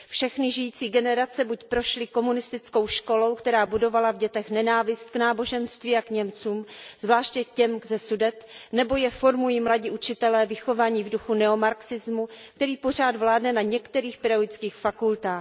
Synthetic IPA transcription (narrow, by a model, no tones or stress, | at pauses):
fʃɛxnɪʒɪjiːt͡siːɡɛnɛɾat͡sɛbucpɾo̞ʃlɪko̞munɪst̪ɪt͡sko̞wʃko̞lo̞wkt̪ɛɾaːbudo̞valavɟɛt̪ɛxnɛnaːvɪst̪̚knaːbo̞ʒɛnst̪viːakɲɛmt͡suːmzvlaːʃcɛcɛmzɛsudɛt̪nɛbo̞jɛfo̞ɾmujimlaɟiːʔut͡ʃɪt̪ɛlɛːvɪxo̞vaːɲiːvduxunɛo̞maɾksɪzmuk̚t̪ɛɾiːpo̞r̝aːd̪vlaːdnɛnaɲɛkt̪ɛɾiːxpɪɾaɪt͡skiːxfakult̪aːx